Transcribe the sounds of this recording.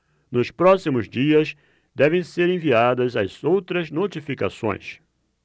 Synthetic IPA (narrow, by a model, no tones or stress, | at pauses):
nʊspɾɔsimʊzd͡ʒiɐs | d̪ɛvẽj̃seɾẽviad̪ɐzɐz̥owt̪ɾɐznot͡ʃifika̰sõ̰j̃s